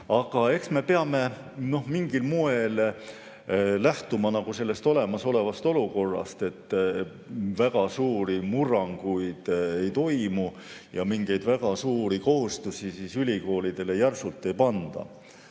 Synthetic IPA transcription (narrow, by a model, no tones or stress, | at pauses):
ɑɡ̥ɑe̞ksme̞peɑme̞ | no̞hmiŋɡ̥ilmue̞l | læht̪umɑnɑɡuse̞lːe̞st̪o̞le̞mɑso̞le̞vɑst̪o̞luko̞rːɑ̰st̪e̞t̪ː | væɡ̥ɑsuːɾimurɑŋɡ̥ujd̪̥e̞jt̪o̞jmu | jɑmiŋɡ̥e̞jd̪̥væɡ̥ɑsuːɾiko̞hust̪usisiːsylʲiko̞ːlid̪̥e̞le̞jærsult̪ːˑe̞jpɑnd̪̥ɑ̰